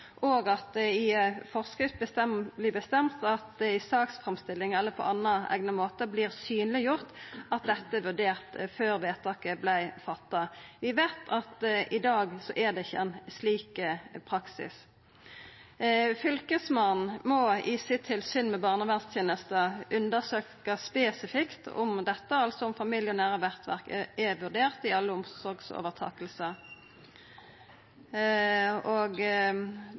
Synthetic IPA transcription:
ʔoːɡɑt̪ɪfɔʁskɾɪft̪̚bət̪ɛmblɪːbəst̪ɛmt̪ɑt̪̚d̪ɛɪsɑːksfʁɛmst̪ɪlːɪŋɛlːəpʰɔ̰ʔɑnːɑæ̰ɡnəmoːt̪əbliːʁsyːnlɪjʊʁt̪ʔɑt̪̚d̪ɛt̪ːəʋʉd̪eːʁt̪føːʁʋeːt̪ʰɑːkəblæɪfɑt̪ːɑʋɪʋeːt̪ʰɑt̪ɪd̪ɑːɡsɔʔæʁd̪ɛɪçːəɛnsliːkpʰɾʁɑksɪ̰s | fʏlkəsmɑnn̩mɔɪsɪt̪ʰːɪlsyːnmɛbɑːʁnəʋænst̪ʰjeːnəst̪əʉnd̪əʁsøːkəspeːsɪfɪkt̪ʊ̰md̪ɛt̪ːəɑlsɔʊmfɑmɪljʊnæːʁəʋæʁt̪ʋæ̰ʁkɛʋʉʁd̪eːʁt̪ɪɑlːəʊmsɔʁɡso̰ːʋəʁt̪ʰɑ̰ːkəlsə | oɡ

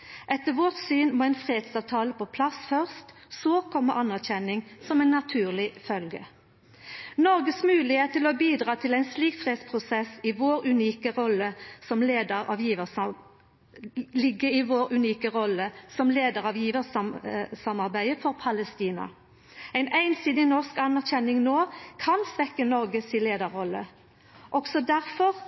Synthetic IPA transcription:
ʔɛt̪ːəʋoːt̪syːnmoːæɪnfʁeːd̪sɑːʋt̪ʰɑːləpʰɔpʰlɑsfœʁst̪soːkʰɔmːə̰ʔɑnæʁçɛnːɪŋsɔmæɪnːɑt̪ʰʉːʁlɪfœlɡə̰ | nɔʁɡəsmʉːlɪheːt̪t̪ʰːɪlɔbiːd̪ʁɑːt̪ʰɪlæɪnsliːkfʁeːd̪spʰʁʊsɛsɪʋoːɾʉniːkəʁɔlːəsɔmleːd̪əʁɑ̰ʋjiːʋəs | lɪɡːəɪʋoːɾʉniːkəʁɔləsɔmleːd̪əʁɑʋjiːʋəssɑmɑʁbæɪəfɔʁpʰɑləst̪iːnɑ̰ | æɪnʔæɪnsiːd̪ɪnɔʁskɑnæʁçɛnːɪŋnoːkʰɑnsʋɛkːənɔʁɡəsɪleːd̪əɾɔlːə̰ | ʔɔksɔd̪æʁfɔʁ

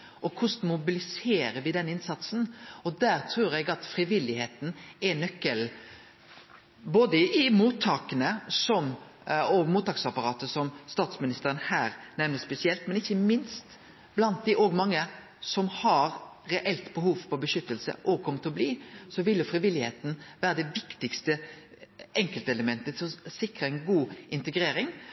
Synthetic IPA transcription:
ʔɔkʰʊsnmʊbɪlɪseːɾəʋɪd̪ɛnːɪnsɑt̪sn̩ɔd̪æːɾt̪ʰɾuːɾɛɡɑt̪fɾɪʋɪlːɪheːt̪n̩ɛnœkːəl | boːd̪əʔɪmuːt̪ʰːɑːkənəsɔm | ɔɡmuːt̪ːɑːksɑpɑɾɑːt̪əsɔmst̪ɑːt̪smɪnɪst̪əɾənhæːɾnɛʋnəspɛsɪɛlt̪mɛnɪçːəmɪnst̪ | blɑnt̪̚d̪ɪʔɔɡmɑŋːə | sɔmhɑɾɾɛʔɛlt̪bəɦuːʋpʰɔbəʃʏt̪ːəlsə̰ʔɔɡkʰɔmːət̪ʰɔbliːsɔʋɪljʊfɾɪʋɪlːɪhḛːt̪n̩ʋæːɾəd̪ɛʋɪkt̪ɪkst̪ə | ɛŋkəlt̪əɛləmɛnt̪ət̪ʰɪlɔsɪkɾəɛɪnɡuːɪnt̪əɡɾeːɾɪŋ

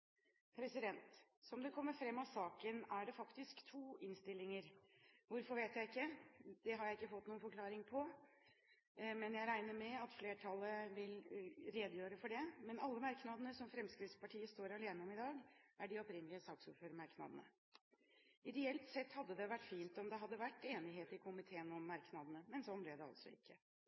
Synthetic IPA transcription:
pʰɾɛsɪd̪ɛnt̪sɔmd̪ɛkʰɔmːəɾfɾɛmːɑʋsɑːkənæɖɛfɑkt̪ɪskt̪ʰuːʔɪnst̪ɪlːɪŋəɾʋʊɾfɔɾʋeːt̪jæɪɪkːəd̪̥ɛɦɑɾjæɪɪkːəfɔt̪ːnuːənfɔɾkʰlɑːɾɪŋpʰɔ | mɛnjæɪɾæɪnəɾmɛɑt̪fleːʈʰɑlːəʋɪlɾeːd̪əjøːɾəfɔɖɛmɛnɑlːəmɑɾknɑd̪ənəsɔmfɾɛmskɾɪt̪spɑʈʰiːəst̪oːɾɑleːnəɔmɪd̪ɑːɡæɖɪɔpɾɪnːəlɪəsɑːksṵːføɾmɑɾknɑ̰d̪ənə̰ | ɪɾɛɛlt̪sɛt̪ːhɑd̪ːəd̪ɛʋæʈːfiːnt̪ɔmd̪ɛɦɑd̪ːəʋæʈːeːnɪɦeːt̪ɪkʰʊmɪt̪ʰeːənɔmːɑɾknɑd̪ənəmɛnsɔnːblɛd̪ɛɑ̰lt̪sɔ̰ɪ̰kʰːə

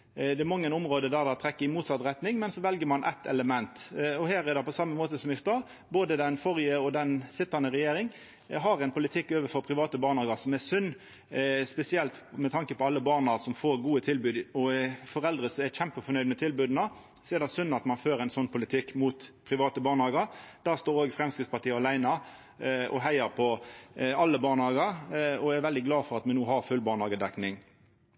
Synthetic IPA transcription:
d̪ɛæɾmɑŋːənʊmʁoːd̪əd̪æʁd̪ɛt̪ʰɾɛkːəɪmuːt̪sɑt̪ːɾɛt̪nɪŋmɛnsɔʋɛlɡəmɑnʔɛ̰t̪ːɛ̰ləmɛnt̪ɔhæːɾɛd̪ɛpɔsɑmːəmoːt̪əsɔmɪst̪ɑː | boːd̪əd̪ɛnfɔʁɪəɔd̪ɛnsɪt̪ːɑnəʁɛjeːɾɪŋ | ɦɑɾɛɪnpʰʊlɪt̪ʰɪkːøːʋəfɔpʰʁɪʋɑːt̪əbɑːʁnɔːɡɑsɔmæsʉnː | spɛsɪɛlt̪mɛt̪ʰɑŋkəpʰɔɑlːəbɑːʁnɑsɔmfoːɾɡuːət̪ʰɪlbʉːd̪ɔfɔɾɛld̪ɾəsɔɛçæmpəfɔɾnœʏd̪mɛt̪ʰɪlbʉːd̪nɑ | sɛːd̪ɛsʉnːɑt̪mɑnføːɾɛɪnsɔnːpʰʊlɪt̪ʰɪkːmuːt̪pʰʁɪʋɑːt̪əbɑːʁnɑːɡəɾd̪̥æːʁst̪oːɾoːɡfɾɛmskɪt̪spɑt̪iːəɑlæɪnɑ | ʔɔ̰ɦæɪəɾpʰɔ | ɑlːəbɑːnɑːɡəɾɔæʋɛld̪ɪɡlɑːfɔʁɑt̪mɛnuːɦɑʁfʉlbɑːʁnɑːɡəd̪ɛknɪŋ

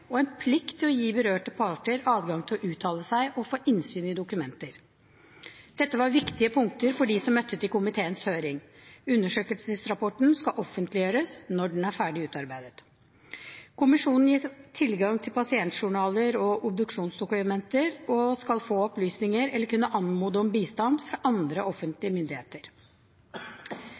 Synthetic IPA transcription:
ɔɛnpʰlɪkt̪ʰːɪlɔjiːbəɾøːʈəpʰɑʈəɾɑːd̪ɡɑŋt̪ʰɪlɔʔʉːt̪ʰɑːləsæɪʔɔfoːʔɪnsyːnɪd̪ʊkʉmɛnt̪əɾ | d̪̥ɛt̪ːəʋɑɾʋɪkt̪ɪəpʰʊŋk̚t̪əɾfɔɖiːsɔmːœt̪ʰːət̪ɪlkʰʊmɪt̪ʰeːənshøːɾɪŋʉnːəʂøːkəlsəsɾɑpɔʈn̩skɑʔɔfːənt̪ʰlɪjøːɾəsnɔɖɛnæɾfæːɖɪʉːt̪ɑɾbæɪd̪ət̪ | kʰʊmɪʂuːnn̩jiːt̪ʰɪlɡɑŋt̪ʰɪlpɑsɪɛnt̪ʂʊɳɑːləɾɔʔʊb̚d̪ʉkʂuːnsd̪ʊkʉmɛnt̪əɾɔskɑlfoːɔplyːsnɪŋəɾɛlːəɾkʉnːəʔɑnmuːd̪əɔmbiːst̪ɑnd̪fɾɑʔɑnd̪ɾəʔɔfːənt̪lɪəmʏnd̪ɪheːt̪əɾ

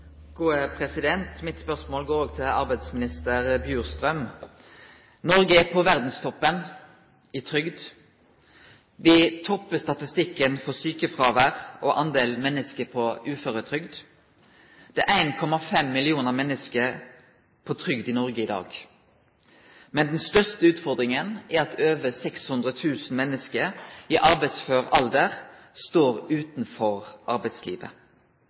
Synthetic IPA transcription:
ɡ̥uːəpʰʁɛsɪd̪ɛnt̪mɪt̪spœʁsmoːlɡoːɾoːɡ̚t̪ʰɪlɑ̰ʁbæɪd̪smɪnɪst̪əʁbjʉːʁst̪ʁœm | nɔʁɡəpʰɔʋæʁd̪n̩st̪ʰɔpːən | ɪt̪ʰʁʏɡd̪ | ʋɪt̪ʰɔpːəst̪ɑt̪ɪst̪ɪkːənfɔsyːkəfʁɑːʋæʁʔɔʔɑnd̪eːlmɛnːəskəpʰɔʉːføːʁɾət̪ʰʁʏɡd̪ | d̪̥ɛʔæɪnkʰɔmɑfɛmːɪlɪuːnəʁmɛnːəskəʁ | pʰoːt̪ʰʁʏɡd̪iːnɔʁɡəɪd̪ɑ̰ːɡ | mɛnd̪nst̪œst̪əʉːt̪fɔʁd̪ʁɪŋənʔæʁɑt̪øːʋəsɛkshʉnd̪ʁət̪ʰʉːsn̩mɛnːəskəiːʔɑʁbæɪt̪sføːʁɑld̪əʁ | st̪oːʁʉːt̪n̩fɔʁʔɑʁbæɪt̪slḭːʋə̰

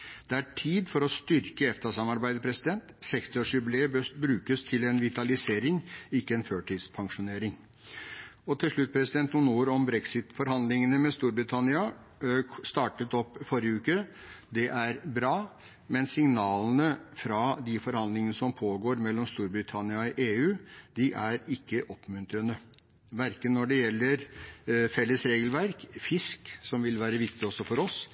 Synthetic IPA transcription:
d̪̥ɛæʈʰiːd̪fɔɾɔst̪ʏɾkəɛft̪ɑsɑmɑɾbæɪd̪əpʰɾɛsɪd̪ɛnt̪sɛkst̪ɪɔːʂʏbleːəbøbɾʉːkəst̪ʰɪlɛnʋɪt̪ɑlɪseːɾɪŋɪkːəɛnføːʈiːd̪spʰɑŋʂʊneːɾɪŋ | ɔt̪ʰɪlʂɭʉt̪̚ːpʰɾɛsɪd̪ɛnt̪nuːnuːɾɔmbɾɛksɪt̪fɔɾhɑnd̪lɪŋənəmɛst̪uːɾbɾɪt̪ʰɑnɪɑ | st̪ɑːʈət̪ɔpːfɔɾjəʉːkə | d̪ɛʔæɾbɾɑː | mɛnsɪŋnɑːln̩əfɾɑd̪ɪfɔɾhɑnd̪lɪŋənəsɔmpʰoːɡoːɾmɛlːɔmst̪uːɾbɾɪt̪ʰɑnɪɑɔʔeːʉːd̪ɪʔæɾɪkːəʔɔpːmʉnt̪ɾənə | ʋæɾkənːɔɖɛjɛlːəɾfɛlːəsɾeːɡəlʋæɾkfɪsksɔmʋɪlʋæːɾəʋɪk̚t̪ɪɔsːɔfɔɾɔs

